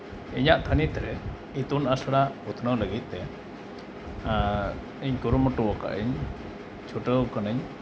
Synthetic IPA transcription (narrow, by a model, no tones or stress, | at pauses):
iɲaʔt̪ʰanit̪ɛɾɛ | it̪unasaɽaput̪ʰnələɡit̪̚ˀt̪ɛ | iɲkuɾumɔʈuwɔka̰ʔiɲ | t͡ʃʰuʈəkanəɲ